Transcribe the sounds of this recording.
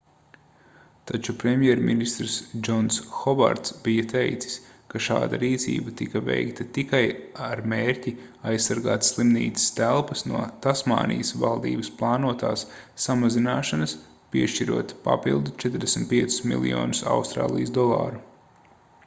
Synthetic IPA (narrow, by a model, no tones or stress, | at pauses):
t̪at͡ʃupɾemjɛɾminist̪ɾsd͡ʒɔnsxɔba̰ɾt̪sbijɐt̪ejt̪si̥skaʃa̰ːd̪a̰ɾiːt̪sḭːbɐt̪ikɐvḛjkt̪ɐt̪ikajaɾmeːɾʲcʲiajsːaɾɡa̰ːt̪slˠimnḭːt̪i̥st̪ælˠpɐsnuɔt̪asma̰ːnḭjəsva̰lˠd̪ḭːbɐsplˠɑːnuɔt̪a̰ːsːamazinaːʃanɐs | piɛʃt͡ʃiɾuɔt̪pa̰pilˠd̪ut͡ʃɛt̪ɾd̪esʲm̩t̪̚pʲiɛt̪su̥smḭlˠḭjo̰ːnusa̰wst̪ɾa̰ːlˠḭjəsd̪ɔlˠɑ̰ːɾu